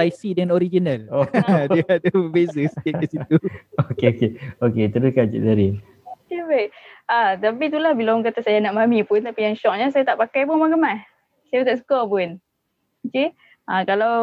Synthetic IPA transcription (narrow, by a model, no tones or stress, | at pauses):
ajsidəŋanoɾid͡ʒinalodiadabəbesast̪akasit̪uokeokeoket̪əɾuskad͡ʒḭʔdaɾi | kabajʔat̪apit̪ulahbilaŋkat̪asajanaʔmamipʊnt̪apijaŋʃɔk̚ɲasajat̪aʔpakajpʊnmaŋɡəmah | sajaut̪aʔs̬u̥kapʊn | t͡ʃi | ãkalaw